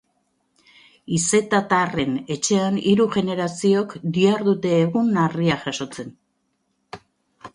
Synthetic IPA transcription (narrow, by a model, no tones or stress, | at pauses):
ise̞t̪at̪are̞ne̞t͡ʃe̞aniɾuɣe̞ne̞ɾasio̞kd̪iaɾðut̪e̞ːɣunariaʝaso̞t͡se̞n